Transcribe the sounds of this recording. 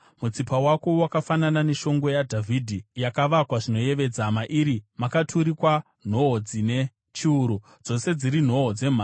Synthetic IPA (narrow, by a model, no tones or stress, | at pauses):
mut͡sipawako̞wakafananane̞ʃo̞ŋɡo̞jadʱavʱidʱijakaʋakwaʐino̞je̞ʋe̞d͡zamaʔiːɾimakatʰuɾikwa | n̤o̞ɦod͡zine̞ | t͡ʃiuɾu | d͡zo̞se̞d͡ziɾin̤o̞ɦod͡ze̞m̤a